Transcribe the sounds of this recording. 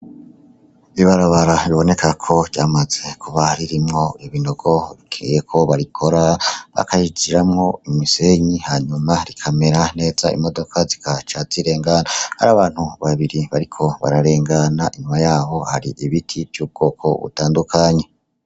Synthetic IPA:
iβaɾaβaɾaβiβo̞ne̞kʰakʰo̞ɾɟaːmaze̞kʰuβaɾiɾimŋo̞iβino̞ɡ̥o̞βikʰḭjekʰo̞βaɾikʰo̞ɾaβa̰kaid͡ʒiɾamŋo̞imise̞ɲihaːɲumaɾikʰameɾane̞ːzaḭmo̞do̞kʰazikat͡ʃaziɾe̞ːŋɡanaha̰ɾaːβaːn̥huβaβiɾiβaɾikʰo̞βa̰ɾaɾe̞ːŋɡanaʔiɲumajaːβo̞haɾiʔiβitʰivjuːb̚ɡ̥o̞ːkʰo̞̰βṵtaːndukʰaɲe̞

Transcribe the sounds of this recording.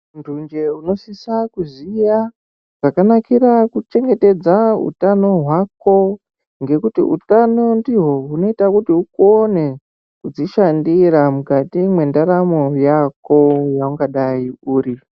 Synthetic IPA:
ndund͡ʒe̞uno̞sisakuzija | ʐ̥akanakiɾakut͡ʃe̞ŋɡe̞te̞d͡zaṵtano̞ɦwako̞ | ŋɡe̞kutḭṵtano̞ndiɦo̞ɦuno̞itakutiukone̞ | kud͡ziʃandiɾamukatimwe̞ndaɾamo̞jako̞jauŋɡaɗaiuːɾi

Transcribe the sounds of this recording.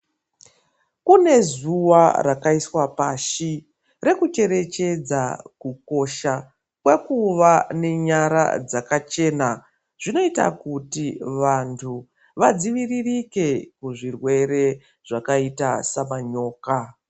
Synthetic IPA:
kune̞zuwarakaiswapaʃi | re̞kut͡ʃe̞ɾe̞t͡ʃe̞d͡zakuko̞ʃa | kwekuʋane̞ɲaɾa̰d͡zakat͡ʃe̞ːna | ʐ̥ino̞ita̰kutiʋantʰu | ʋad͡ziʋiririke̞kuʐirwe̞ɾe̞ | ʐ̥akaitasamaɲo̞ːka

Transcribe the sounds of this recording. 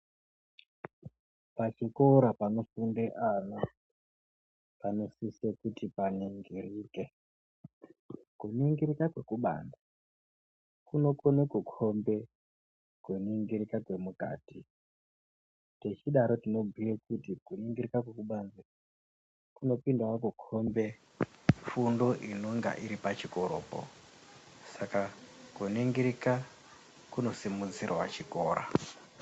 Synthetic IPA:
pat͡ʃikoɾapano̞fundeʔano | pano̞sisekutipaniŋɡiriːke | kuniŋɡiɾikakwe̞kuɓa̰ːnda | kuno̞konekukʰombe̞ | kuniŋɡiɾikakwe̞muka̰ːti | tet͡ʃiɗaɾo̞tino̞ɡʱiekutikuniŋɡirikakwekuɓanza | kuno̞pindawak̬ukʰo̞mbe̞ | fundo̞ʔino̞ŋɡa̰ʔiɾipat͡ʃiko̞ɾo̞̰ːpo̰ | sakakuniŋɡiɾika | kuno̞simuzirwa̰t͡ʃikoːɾa̰

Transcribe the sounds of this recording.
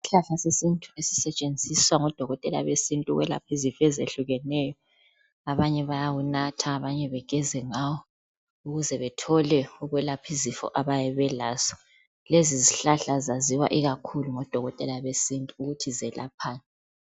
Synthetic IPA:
iɬaɬasesintʼuesi̥sɛt͡ʃʼend͡zʱiswaŋɔd̥ʱɔɣɔtʼɛla̰βesintʼuɣwɛla̰pʰizifɛzḛɬuɣɛnɛjɔ | aβaɲɛβajawunatʰaːβaɲɛβɛɡ̥ʱɛzɛŋawɔ | uɣuzɛβɛtʰɔlɛuɣwɛlapʰizifɔ̰ʔaβajɛβɛlaːz̥ɔ | leziziɬaɬazaziwa̰ʔiɣakʰuluŋɔd̥ʱɔɣɔtʼɛlaβesintʼuːɣutʰizɛlʔa̰pʰaːnʼɛ

